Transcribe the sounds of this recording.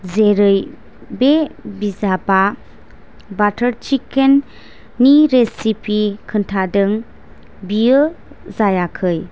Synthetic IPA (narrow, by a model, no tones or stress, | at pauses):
zeɾɯj | bebizaba | batʰəɾt͡ʃikenː | iɾesipʰikʰɯntʰadɯŋ | bijɯzajakʰɯj